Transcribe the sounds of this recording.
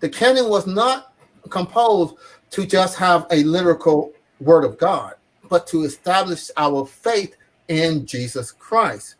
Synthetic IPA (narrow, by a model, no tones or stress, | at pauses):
ðɨkʰɛ̃nɨ̃nwʌznət̚ | kʰə̃mpʰoʊz | tʰɨd͡ʒʌst̚həvɨlɪɾə˞ɨkʰl̩ˠ | wɜ˞ɾʌvɡɑd̚ | b̥ʌtʰəɨstæblɨʃaʊə˞feɪθ | ɪ̃nd͡ʒizəskʰɹ̥aɪst̚